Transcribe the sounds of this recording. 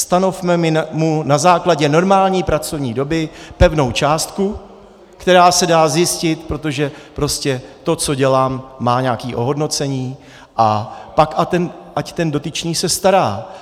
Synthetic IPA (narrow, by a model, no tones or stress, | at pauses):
st̪ano̞fmɛmɪmunazaːklaɟɛno̞ɾmaːlɲiːpɾat͡sovɲiːdo̞bɪpɛvno̞wt͡ʃaːst̪ku | kt̪ɛɾaːsɛdaːzjɪscɪt̪pɾo̞t̪o̞ʒɛpɾo̞scɛt̪o̞t͡so̞ɟɛlaːmːaːɲakiːʔo̞ɦo̞dno̞t͡sɛɲiː | ʔapakʔat̪ɛnʔact̪ɛndo̞t̪ɪt͡ʃɲiːsɛst̪aɾaː